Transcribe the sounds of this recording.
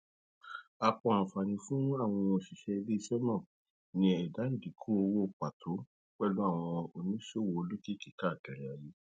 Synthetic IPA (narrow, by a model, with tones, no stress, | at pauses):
a˧k͡pɔ̃˧˦ã˨fa˨nĩ˧fũ˦a˦˨w̃ɔ̃˧o˨ʃi˨ʃɛ˧i˧le˦i˧˦ʃɛ˦nã˦˨ | nĩ˧ɛ˨da˨˦n̩˦˨di˨˦kʰu˦o˧wo˦˨k͡pa˨tʰo˨˦ | k͡pɛ˦˨lu˨˦a˦˨w̃ɔ̃˧o˧nĩ˦ʃo˦˨wo˧o˧lo˦ki˦ki˨ka˦˨kɛ˨ɾɛ˨a˨je˦